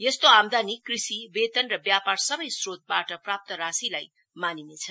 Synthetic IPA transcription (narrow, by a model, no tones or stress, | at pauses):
jʌst̪oamd̪anikrisibet̪ʌnrʌbjaparsʌbʌjsrot̪̚baʈʌprap̚t̪ʌɾasilaj | maninet͡sʰʌ